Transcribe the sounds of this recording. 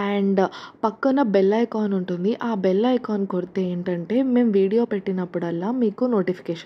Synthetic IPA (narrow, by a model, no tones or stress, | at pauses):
aːɳɖpɐkːɐnɐbɛlːɐjkaːnuɳʈund̪iʔaːbɛlːɐjkaːnkoɾit̪e̞ːeːɳʈɐɳʈe̞ːme̞ːmʋiːɽijo̞ːpeʈːinɐpːuɽɐlːaːmiːkuno̞ːʈipʰi̥kɛːʂɐn